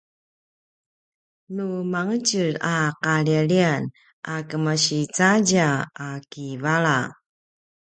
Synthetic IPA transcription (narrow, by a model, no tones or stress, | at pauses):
numaŋət͡ɕəɾaqaɭiaɭian | ʔakəmaɕit͡saɟaakivaɾa